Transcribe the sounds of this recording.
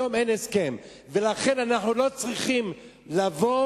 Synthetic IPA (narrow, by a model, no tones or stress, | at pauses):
ome̞neske̞m | velaχe̞nanaħnulo̞t͡sʁiχim | lavo̞